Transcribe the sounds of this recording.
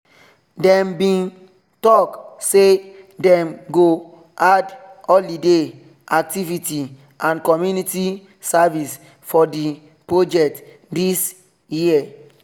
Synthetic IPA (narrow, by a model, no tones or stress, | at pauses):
dɛ̃mbĩn | tɔksedɛ̃mɡo | adɔldide | ak̚tiviti | ãnkɔmjuniti | savis | fɔdi | pɹod͡ʒɛk̚t | dis | jiə